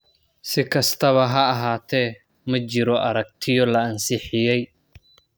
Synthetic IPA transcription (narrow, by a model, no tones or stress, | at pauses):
sɪkʰɐst̪ʰɐβɐɦɐːɦaːt̪ʰɛ | mɐt͡ʃɪɾɔʔɐɾɐk̚t̪ʰɪjɔlɐːnsɪħɪjɛj